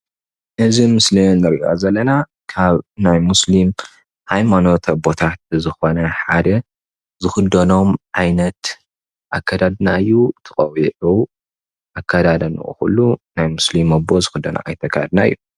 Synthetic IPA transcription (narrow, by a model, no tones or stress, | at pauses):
ʔɨzimɨslinːɨɾo̰zɐlːɐna | kʰaβnajmuslim | hajmano̞t̪ʰbo̞t̪ʰat̪̚zɨxo̞nɐħad̪ɐ | zɨxɨd̪ɐno̞mʕajnɐt̪ | ʔakʰːad̪ad̪naɨjːut̪ʰɨχʼɐwiʕu | ʔakʰːad̪ad̪ɐnɨ̰ʔʼṵxṵlːunajmuslimɐbozɨxɨd̪ːɐna̰ʔa̰jt̪ʰɐkʰːa̰d̪naɨjːu